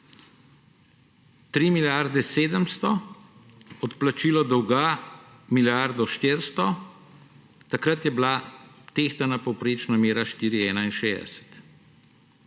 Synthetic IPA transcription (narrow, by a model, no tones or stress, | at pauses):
t̪ɾimiljaɾd̪ɛseːd̪əmst̪ɔ | ɔt̪plat͡ʃiːlɔd̪ɔwɡa | miljaɾd̪ɔʃt̪eɾst̪ɔ | t̪akɾat̪jɛblat̪ext̪anapɔwpɾeːt͡ʃnameːɾaʃt̪iːɾiɛːnainʃeːd̪ɛ̰sɛ̥t̪